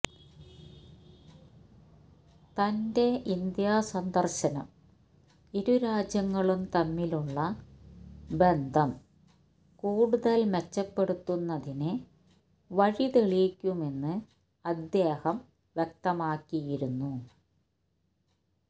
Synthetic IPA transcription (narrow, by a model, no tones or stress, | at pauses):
t̪ɐnde̞ʔind̪jaːsɐnd̪ʱɐrɕɐnɐm | iɾuɾaːd͡ʑjɐŋːɐɭumt̪ɐmːiluɭːɐ | be̞nd̪ʱɐm | kuːɽuðɐlmet͡ɕːɐpːe̞ɽut̪ːunːɐðinɨ | ʋɐɻiðeɭijkʲːume̞nːɨ | ɐd̪jeːhɐm | ʋjek̚t̪ɐmaːkːijiɾunːu